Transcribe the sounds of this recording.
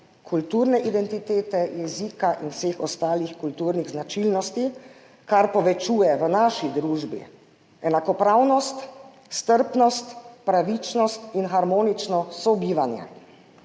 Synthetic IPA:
kʰult̪uːɾnɛʔid̪ɛnt̪it̪eːt̪ɛjɛziːkaʔinwseːxɔst̪aːlixkult̪uːɾniɣznat͡ʃilnɔst̪i | kaɾpɔʋɛt͡ʃuːjɛʋənaːʃid̪ɾuːʒbḭ | ɛnakɔpɾawnɔst̪ | st̪əɾpnɔst̪pɾaʋit͡ʃnɔst̪inxaɾmɔːnit͡ʃnɔsɔbiːʋanjɛ̰

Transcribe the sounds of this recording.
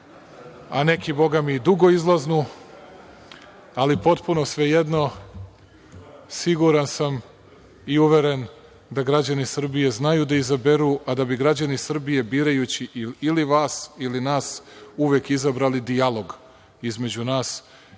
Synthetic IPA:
ane̞kʰibo̞ɡamid̪uɡo̞izlˠaznu | alipo̞t̪puno̞sʋe̞je̞d̪no̞ | siɡuɾansam | iuʋe̞ɾe̞n | d̪aɡɾad͡ʑanisr̩bije̞znajud̪aizabe̞ɾuʔad̪abiɡɾad͡ʑanisr̩bije̞biːɾajut͡ɕiʔiliʋaːsilinaːsuʋeːkizabɾalid̪ijalˠo̞ɡ | izme̞d͡ʑunaːs

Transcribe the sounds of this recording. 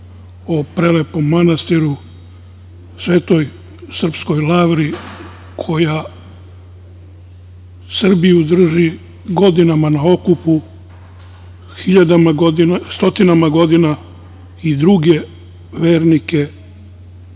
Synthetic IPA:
opɾe̞le̞po̞mːanast̪iɾu | sʋe̞ːt̪o̞j | sr̩psko̞jlaːʋɾi | kʰo̞ja | sr̩bijud̪r̩ʒi | ɡo̞d̪inamanao̞kupu | xiʎad̪amaɡod̪inst̪o̞t̪inamaɡo̞d̪ina | id̪ɾuɡe̞ | ʋe̞ːɾnike̞

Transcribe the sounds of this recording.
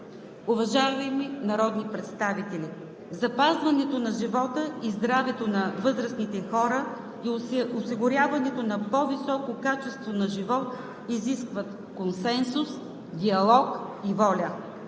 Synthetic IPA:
ʊvɐʒavɐjminɐɾɔd̪nipɾɛt̪st̪avit̪ɛli | zɐpazvɐnɛt̪onɐʒivɔt̪əizd̪ɾavɛt̪onɐvɤzɾəsnit̪ɛxɔɾə | iosiɡʊɾʲjavɐnɛt̪onɐpɔvisɔkokat͡ʃɛst̪vonɐʒivɔt̪ | iziskvɐt̪ | konsɛnsʊs | d̪iɐlˠɔkivɔlʲə

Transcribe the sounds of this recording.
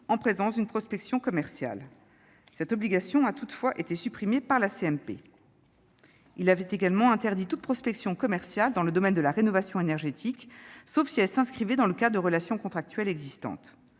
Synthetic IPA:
ɑ̃pχezɑ̃sd̪ynpχɔspɛksjɔ̃kɔmɛʁsja̰l | sɛt̪ɔbliɡasjɔ̃at̪ut̪fwaʔet̪esypχimepaʁlaseɛmpḛ | ilavɛt̪eɡalmɑ̃ɛ̃t̪ɛʁd̪it̪ut̪̚pχɔspɛksjɔ̃kɔmɛʁsjald̪ɑ̃ləd̪ɔmɛnd̪əlaʁenɔvasjɔ̃enɛʁʒet̪ʰiksofsiɛlsɛ̃skχivɛd̪ɑ̃ləkad̪əʁəlasjɔ̃kɔ̃t̪χak̚t̪ɥɛlɛɡzist̪ɑ̰̃t̪

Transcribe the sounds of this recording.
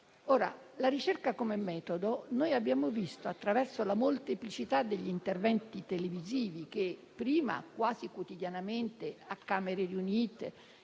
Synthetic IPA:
oːɾa̰ | laɾit͡ʃerkakomemːɛːt̪od̪onojabːjaːmovist̪oat̪ːɾavɛrsolamolt̪eplit͡ʃit̪ad̪ːeʎːint̪ervɛnt̪it̪eleviziːvik̟epːɾiːma̰kwaːzikwot̪id̪janament̪eakːaːmeɾeɾiuniːt̪ḛ

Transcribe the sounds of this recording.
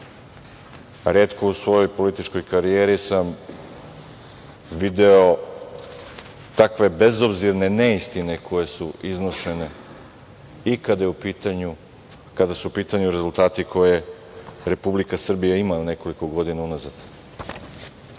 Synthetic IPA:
ɾe̞ːt̪ko̞usʋo̞jo̞jpo̞lit̪it͡ʃko̞jkaɾijeːɾisam | ʋid̪e̞o | t̪akʋe̞be̞zo̞bziɾne̞neist̪ine̞kʰo̞je̞suiznoʃe̞ne̞ | ikad̪ajeupiːt̪aɲu | kad̪asuupiːt̪aɲuɾe̞zult̪aːt̪ikʰo̞je | ɾe̞publikasr̩bijaimane̞ko̞liko̞ɡo̞d̪inaunazad̪̥

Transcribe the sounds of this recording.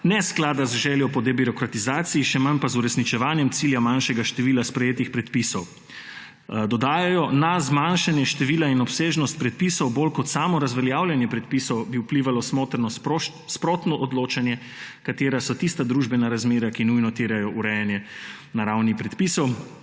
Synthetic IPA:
nɛsklaːd̪azʒɛːljɔpɔd̪ɛbiɾɔkɾat̪izaːt̪siːʃɛmanpazuɾɛsnit͡ʃɛʋaːnjɛmt̪siljamanʃɛɡaʃt̪ɛʋiːlaspɾɛjeːt̪ixpɾɛt̪pisɔw | d̪ɔd̪aːjajɔnazmanʃanjɛʃt̪ɛʋiːlainɔpseːʒnɔst̪̚pɾɛt̪̚pisɔwbolkɔt̪saːmɔɾazʋɛljaːwlʲjanjɛpɾɛt̪̚pisɔwbiupliːʋalɔsmoːt̪ɾnɔ | spɾot̪nɔʔɔd̪loːt͡ʃanjɛ | kat̪eːɾasɔt̪ist̪ad̪ɾuːʒbɛnaɾazmeːɾakinujnɔt̪eːɾajɔʔuɾɛjanjɛ | naɾawnipɾɛt̪pisɔw

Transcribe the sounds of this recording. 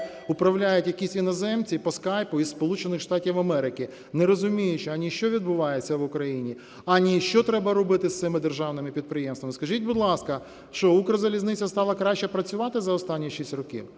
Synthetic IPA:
ʊpɾɐwlʲajʊtʲjɐkʲisʲinɔzɛmt͡sʲipɔskɑjpʊispɔlˠut͡ʃenɪxʃt̪ɑtʲiwɐmɛɾɪkʲi | nɛɾɔzʊmʲijʊt͡ʃɪɐnʲiʃt͡ʃɔʋʲid̪bʊʋɑjet͡sʲːɐʋʊkɾɐjinʲi | ɐnʲiʃt͡ʃɔt̪ɾɛbɐɾɔbɪt̪ɪst̪sɪmɪd̪erʒɑwnɪmɪpʲid̪̚pɾɪjɛmst̪ʋɐmɪskɐʒitʲbʊd̪lˠɑskɐ | ʃt͡ʃɔukɾɐzɐlʲiznɪt͡sʲɐst̪ɑlˠɐkɾɑʃt͡ʃːɛpɾɐt͡sʲʊʋɑt̪ɪzɐɔst̪ɑnʲːiʃisʲtʲrɔkʲḭw

